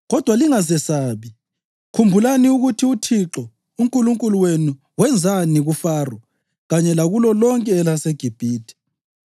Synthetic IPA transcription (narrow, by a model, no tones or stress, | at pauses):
ɣɔd̥ʱwaliŋazɛsaːβi | kʰumbʱulaniuɣutʰiutʰiǁɔ | uŋkʼuluŋkʼuluwenu | wɛnd͡zʱaniɣufaːrwɔ | ɣaɲɛlaɣulɔlɔŋkʼɛːlaseɡ̥ʱib̥ʱiːtʰi̥